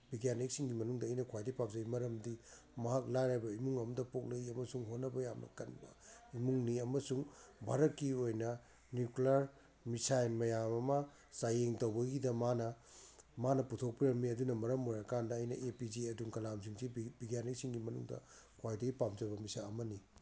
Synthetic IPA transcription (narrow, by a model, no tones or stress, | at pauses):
bʱiɡjanik̚siŋɡimɐnuŋdɐɐjnɐkʰwajdɐjpap̚zɐjmɐɾɐmdi | mɐɦak̚lajɾajbɐimuŋɐmdɐpok̚lɐjiɐmɐsuŋɦonːɐbɐjamnɐ̰kɐnbɐ̰imuŋniɐmɐsuŋbʱa̰ɾɐt̚kiojnɐ | njuklaɾ | misajnmɐjamɐmɐ | sajeŋtɐwbɐɡidɐmanɐmanɐputʰok̚piɾɐmːiɐdunɐmɐɾɐmojɾakandɐːjnɐ̰ʔepid͡ʒiɐduŋkɐlams̬iŋsibiɡjanek̚siŋɡimɐnṵŋdɐ̰kʰwajdɐɡipap̚zɐbɐmisaɐmɐni